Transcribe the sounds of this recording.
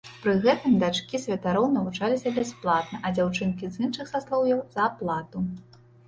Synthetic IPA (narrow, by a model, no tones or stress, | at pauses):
pɾɨɣɛt̪ɨmd̪at͡ʂkʲisʲvʲɛt̪aɾɔwnɐvut͡ʂalʲisʲɐbʲasplˠat̪̚nɐʔɐd͡zʲawt͡ʂɨnkʲizɨnʂɨxsaslˠɔwjɔwzɐːplˠat̪u